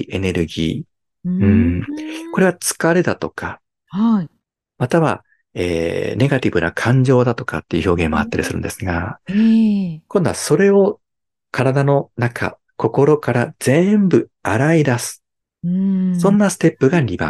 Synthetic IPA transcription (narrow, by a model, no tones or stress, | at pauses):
ʔe̞ne̞ɾɯ̟ɡʲḭː | ɯ̟̃ɴko̞ɾe̞βat͡sɨ̥kaɾe̞d̪at̪o̞kʰa | ha | mat̪aβa̰ | ḛːne̞ɡat̪ʲibɯ̟na̰kʰãɲ̟d͡ʑo̞ːd̪at̪o̞̥ka̰t̪ːe̞iɯ̟ço̞ːɡẽ̞mːo̞̰a̰t̪ːaɾʲḭsɨɾɯ̟̰̃nd̪e̞sɨɡa | kond̪o̞aso̞ɾe̞o̞ | kʰaɾad̪ano̞nakʰa̰ | ko̞ko̞ɾo̞kaɾaz̥ẽ̞mbɯ̟aɾaid̪asɨ̥ | sõ̞nːasɨ̥t̪e̞pːɯ̟ɡaɾʲibã̰